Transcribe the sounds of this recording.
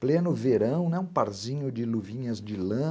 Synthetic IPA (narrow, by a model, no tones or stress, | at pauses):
plẽnʊveɾɐ̃w̃nɛũpaɾzĩɲʊd͡ʒɪluvĩɲɐzd͡ʒɪlɐ̃